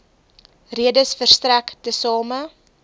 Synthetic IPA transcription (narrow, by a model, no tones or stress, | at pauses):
riədəsfərstræktəsɑːmə